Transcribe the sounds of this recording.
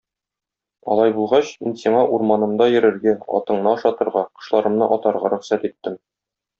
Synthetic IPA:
ɒ̰lˠɑjbulˠʁɑɕminsiɴɑʔuɾmɑnɤ̆md̪ɑjɘ̆ɾɘ̆ɾɡæɒ̰t̪ɤ̆ɴnɤɒʃɑt̪ɤ̆ɾʁɑqɤ̆ʃlˠɑɾɤ̆mnɤʔɒt̪ɑɾʁɑɾɵ̆χsæt̪it̪ːɘm

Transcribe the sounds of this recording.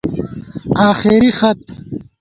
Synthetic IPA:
aːxiɾixɐt̪

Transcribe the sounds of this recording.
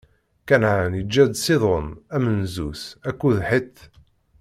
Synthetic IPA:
kænʕanjəd͡ʒːæd̪siðˤonæmənzusækːuðħit̪ː

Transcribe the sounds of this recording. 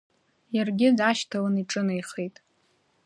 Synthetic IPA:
jarɡʲɪzaʃtʰalɨniʈ͡ʂʼɨnajχejtʼ

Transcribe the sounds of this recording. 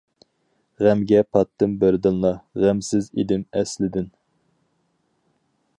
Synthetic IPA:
ʁæmɡʲɛpʰɑt̪ʰːɨmbɪɾd̪ɨnlˠɑʁæmsɪzḭd̪ɪmɛslɪd̪ɪn

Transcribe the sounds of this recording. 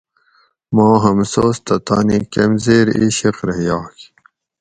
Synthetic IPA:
mɑːɦɐmsoːst̪ɐt̪ɑːnikemzeːɾiɕiqɾɐɦjɑːk

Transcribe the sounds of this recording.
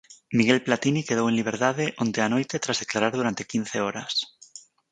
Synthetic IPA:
miɣelplat̪inikeð̞owenliβ̞eɾt̪aðeʔont̪eanojt̪et̪ɾazðeklaɾaɾðuɾant̪ekinθeoɾas

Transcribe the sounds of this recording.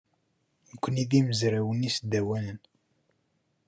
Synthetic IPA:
nəkʷːəniðiməzɾæwənisd̪æwælən

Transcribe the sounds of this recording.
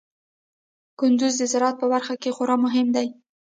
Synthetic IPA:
kʊnd̪ʊzd̪əzɪɾɑt̪̚pəbaɾxakexoɾɑmʊɦɪmd̪aj

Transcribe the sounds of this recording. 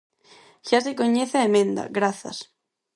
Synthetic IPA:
çasekɔɲeθaemɪnd̪a̰ɣɾaθa̰s

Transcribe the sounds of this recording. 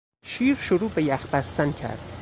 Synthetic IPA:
ʃiːɾʃoɾuːbejæxbæst̪æncʰæ̰ɾd̪̥

